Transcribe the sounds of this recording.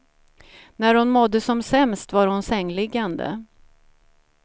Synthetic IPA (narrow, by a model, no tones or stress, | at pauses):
næɾhʊnmɔd̪ːəsɔmsɛmst̪vaɾhʊnsɛŋːlɪɡːand̪ə̰